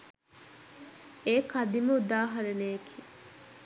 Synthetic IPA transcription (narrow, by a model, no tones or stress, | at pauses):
eːkɐd̪iməud̪aːɦɐɾenejekʰiː